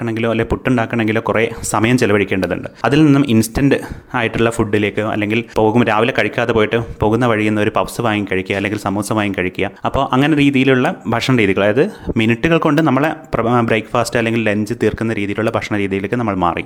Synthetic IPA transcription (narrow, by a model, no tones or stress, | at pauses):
kːɐɳeŋɡiloːɐlːepuʈːuɳɖaːkːɐɳɐ̃ɳe̞ŋɡiloːkuresɐmɐjɐmt͡ɕelɐʋɐɽikʲːe̞ːɳɖɐðṵɳɖɨɐðilninːumʔinstɐnɖɨ | aːjiʈːuɭːɐfuɖːile̞ːkːɨɐ̰lːe̞ŋɡilpo̞ːɣumɾaːʋilekɐɻikʲːaːðepo̞ːjiʈːɨpo̞ːɣunːɐʋɐɻijunːɐo̞ɾupɐʋsɐʋaːjikɐɻikʲːujɐɐlːe̞ŋɡilsɐmuːsɐmaːjikɐɻikʲːujɐɐpːo̞ːʔɐŋːɐne̞ɾiːðijiluɭːɐbʱɐʂɐɳɐɾiːðiɣɐɭɐðɨminiʈːuɣɐɭko̞ɳɖɨnɐmːɐɭeprɐbɾejkːfaːstɨɐlːe̞ŋɡille̞ɲd͡ʑɨt̪iːrkunːɐɾiːðijiluɭːɐbʱɐʂɐɳɐɾiːðijile̞ːkːɨnɐmːɐɭma̰ːrḭ